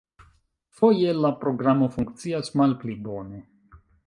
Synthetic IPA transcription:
fo̞jelapɾo̞ɡɾamo̞fuŋkt͡siasmalplibo̞ne̞

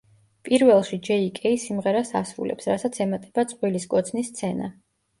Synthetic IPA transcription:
pʼiɾvɛlˠʃid͡ʒɛikʼɛisimʁɛɾasa̰sɾṵlɛ̰psɾasat̪sʰɛmat̪ʼɛb̥at̪sʼqʼwiliskʼɔt̪sʰnist̪sʰɛna

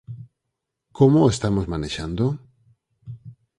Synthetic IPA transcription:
komoest̪amozmaneʃand̪o

